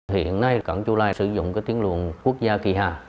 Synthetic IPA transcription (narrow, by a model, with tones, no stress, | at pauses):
hḭ˧˨ənːa˧jka˧˩nt͡ɕu˧laː˧˩sɨ˧˩zʊ̰˧˨ŋ͡mkaː˨˦jt̪i˨˦ənlwṵ˧˨ənku˦˥ək̚zaː˧ki˧˩ɦaː˨˩